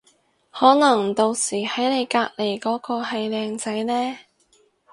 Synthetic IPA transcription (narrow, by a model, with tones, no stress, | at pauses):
hɔː˨˥nɐ˨˩ŋt̪o˧wsiː˨˩hɐ˨˥jne˨˧jkaː˧k̚le˨˩jkɔː˨˥kɔː˧hɐ˨jlɛː˨˧ŋt͡sɐ˨˥jnɛː˥